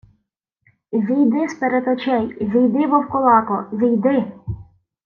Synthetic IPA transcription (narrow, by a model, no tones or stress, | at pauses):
zʲijd̪ɪspeɾet̪ɔt͡ʃɛjzʲijd̪ɪʋɔwkɔlˠɑkɔzʲijd̪ɪ